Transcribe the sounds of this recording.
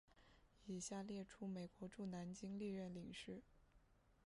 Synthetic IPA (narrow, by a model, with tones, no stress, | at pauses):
i˨˩ɕja˥˧ljɛ˥˩ʈ͡ʂʰu˥me˨˩ɪkwɔ˧˥ʈ͡ʂu˥˩na˧˥nt͡ɕi˥ŋli˥˧ɥɛ˥˩nli˨˩ŋʂɻ̩˥˩